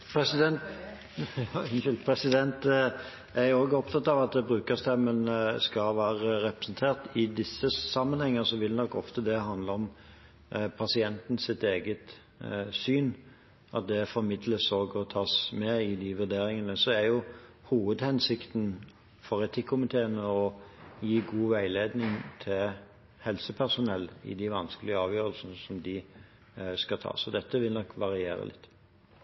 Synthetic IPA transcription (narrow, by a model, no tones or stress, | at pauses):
pʰɾɛsɪd̪ɛnt̪ | ɪnɪlpʰɾɛsɪd̪ɛnt̪ | æɾjʊoːɡəɔpt̪ʰɑt̪ːɑʋɑt̪̚d̪ɛbɾʉːkəst̪ɛmːənskɑʋæːʁəɾɛpɾəsnt̪ʰeːʁt̪ɪd̪ɪsːəsɑmːənhɛŋːəsɔʋɪlnɔkːɔft̪əd̪ɛɦɑnd̪ləɔm | pʰɑsɪɛnt̪n̩sɪt̪eːɡət̪ | syːn | ʔɑ̰t̪̚d̪ɛfɔɾmɪd̪ləsoːɡɔt̪ʰɑːsmɛɪd̪ɪʋʉɾd̪eːɾɪŋənəsɔæɾjʊhuːʋəd̪hɛnsɪkt̪n | fɔʁɛt̪ʰɪkʰːʊmɪt̪ʰeːənəɔjiːɡuːʋæɪleːd̪nɪŋt̪ʰɪl | hɛlsəpʰæʁsʊnɛlːɪ̰d̪ɪʋɑnskəlɪəɑːʋjøːɾəlsnəsɔmd̪ɪ | skɑt̪ʰɑ̰ːsɔd̪ɛt̪ːəʋɪlnɔkʋɑʁɪeːɾə̰lɪ̰t̪ː